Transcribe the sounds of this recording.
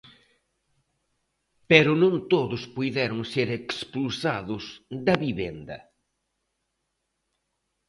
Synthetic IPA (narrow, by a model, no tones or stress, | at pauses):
pɛɾʊnõnt̪oðʊspujðɛɾʊŋseɾekspulsaðʊsd̪ɐβiβend̪ɐ̰